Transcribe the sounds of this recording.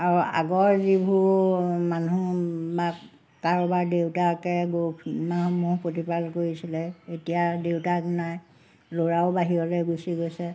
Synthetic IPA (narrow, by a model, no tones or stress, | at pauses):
aɹua̰ɡɔɹzibʱumanuba | kaɹɔbaɹdewtakɛɡmanumupotipalkoɹisilɛetijadewtaknaj | loɹaʊbaɦiɔlɔjɡusiɡojsɛ